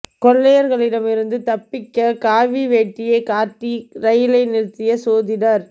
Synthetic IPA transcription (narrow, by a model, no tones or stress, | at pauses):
kɔɭːɐjɐɾɣɐɭɪɽɐmɪɾɯnd̪ɯt̪ɐpːɪkːɐkaːʋiʋeːʈːɪjɐɪkaːʈːiɾɐjɪlɐɪnɪɾt̪ːɪjɐsoːðɪnɐɾ